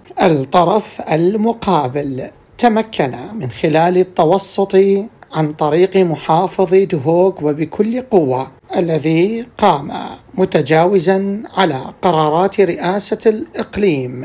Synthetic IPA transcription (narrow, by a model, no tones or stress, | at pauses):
ʔɪlt̪ˤːɑɾˤɑfʔalmʊqɑːbɪl | t̪amakʰːanamɪnxɪlaːlɪt̪ːɑwɑsˤːʊt̪ˤiʕant̪ˤɑɾiːqmʊħɑːfɨðˤd̪ɦoːɡwɪbɪkʰʊlːqʊwːa | ʔalːaðiqɑːma̰mʊt̪ad͡ʒaːwɪzaʕala̰qɑɾˤɑːɾˤɑːt̪ɾɪʔaːsalʔɪqliːm